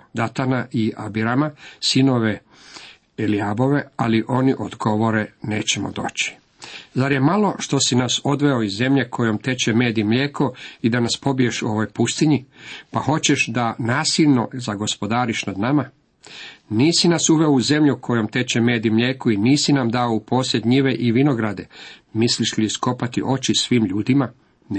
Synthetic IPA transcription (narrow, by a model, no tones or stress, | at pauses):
d̪at̪anaʔia̰biɾamasino̞ʋe̞ | eliabo̞ʋe̞aliʔo̞niʔod̪ɡo̞ʋo̞ɾe̞ne̞ːt͡ɕe̞mo̰d̪o̞̰ːt͡ɕi̥ | zaɾje̞malo̞ʃt̪o̞sinaso̞d̪ʋe̞oizzːe̞mʎe̞kʰo̞jo̞mt̪e̞t͡ɕemeːd̪imʎeːkʰoid̪anaspo̞bie̞ʃuo̞ʋojpust̪iɲipaho̞t͡ɕe̞ʃd̪anaːsiʎno̞zaɡo̞spo̞d̪aːɾiʃnad̪nama | niːsinasuʋe̞ouze̞mʎukʰo̞jo̞mt̪e̞t͡ɕeme̞ːd̪imʎeːkuiniːsinamd̪aoupʰo̞ːsjʲed̪ɲiʋe̞ʔiʋino̞ɡɾad̪e̞misliʃlisko̞pat̪ḭʔo̞t͡ɕisʋiːmʎuːd̪ima